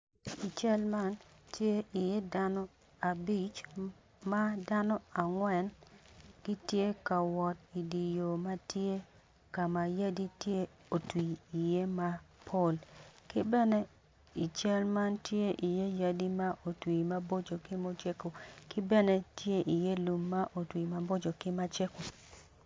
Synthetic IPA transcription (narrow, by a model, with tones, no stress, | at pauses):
i˨t͡ʃɛ˦lma˦ntje˦ʔi˨je˦da˦nɔ˦ | a˨bi˦˨t͡ʃ | ma˦da˦nɔ˦a˨ŋwɛ˨n | ɡ̥i˦tje˦ka˨wɔ˨t̚i˨di˨jo˨ma˦tje˦ | ka˨ma˨ja˦di˦tje˦ | o˨twiː˨je˦ma˦pʰo˦˨lkɪ˦bɛ˦nɛ˦ | i˨t͡ʃɛ˦lma˦ntje˦ʔi˨je˦ja˦di˦ma˦ʔo˨twi˨ma˦bo˦d͡ʒo˨kɪ˦mo˦t͡ʃe˦ko˨kɪ˦bɛ˦nɛ˦tje˦ʔi˨je˦lu˨mːa˦ʔo˨twi˨ma˨bo˦d͡ʒo˨kɪ˦ma˦t͡ʃe˦ko˨